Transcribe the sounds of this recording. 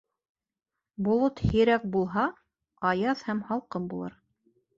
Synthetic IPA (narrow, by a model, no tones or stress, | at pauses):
bŏlˠot̪hĭɾæk̚bulˠɦɑ | ɑjɑðhæmhɑlˠqɤmbulˠɤ̰ɾ